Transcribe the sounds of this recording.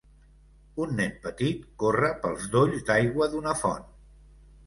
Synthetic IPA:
unːɛmpət̪it̪korəpəlˠzd̪oʎzd̪ajɣwəðunəfɔ̰n

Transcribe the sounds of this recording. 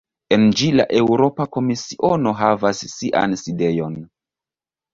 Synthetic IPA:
e̞nd͡ʒila̰ʔe̞wɾo̞pako̞misiʔo̞no̞ɦavasːiʔa̰nside̞jo̞n

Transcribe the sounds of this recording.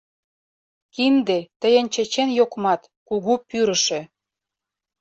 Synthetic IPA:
kind̪et̪ə̆jə̆nt͡ɕĕt͡ɕenjokmɑt̪ | kuɣupyɾə̆ʃĕ

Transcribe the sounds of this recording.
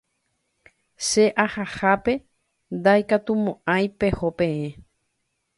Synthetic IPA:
ʃeʔahahape̞ | nd̪ajkat̪umõʔãj̃pehopẽ̞ẽ

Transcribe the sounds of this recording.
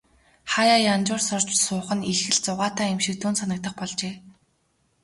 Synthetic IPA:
χajaːjant͡ɕʊːrsʊrt͡ɕsʊːχə̆niɮxɘ̆ɮt͡sʊʁaːt̪ʰaːemʃĭk̚t̪ʰuːnsanə̆k̚t̪ə̆χpɔɮt͡ɕeː

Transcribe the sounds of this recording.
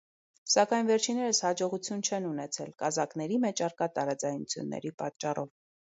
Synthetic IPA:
sɑkɑjnvɛɾt͡ʃʰinɛɾəshɑd͡ʒɔʁut͡sʰjunt͡ʃʰɛnunɛt͡sʰɛlkɑzɑknɛɾimɛt͡ʃʰɑɾkɑt̪ɑɾɑd͡zɑjnṵt͡sʰjṵnːɛ̰ɾipɑt̪t͡ʃːɑrɔv

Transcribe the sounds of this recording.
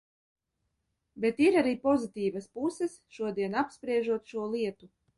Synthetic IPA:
bet̪iɾaɾiːpɔzit̪ʲiːvaspusɛsʃuɔd̪iɛnapspɾiɛʒuɔt̪ʃuɔlˠiɛt̪u

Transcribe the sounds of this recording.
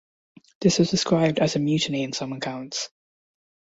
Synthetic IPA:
ðɪswʌzdɨskɹaɪb̚dɨzɨmjʉʔniɨ̃nsʌ̃məkʰãʊ̃nts

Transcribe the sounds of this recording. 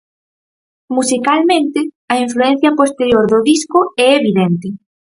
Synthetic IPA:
musikalmẽnt̪ɪ | ɐiɱfluɛn̟θjɐpost̪eɾjoɾðoðiskʊɛeβiðent̪ɪ

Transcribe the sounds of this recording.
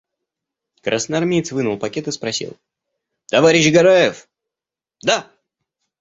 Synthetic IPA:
kɾʔasnɨarmʲejt̪svɨnʊlˠpɐkʲet̪ɨspɾɐsʲḭlˠ | t̪ɐvaɾʲɪɕɡɐɾajɪf | d̪a

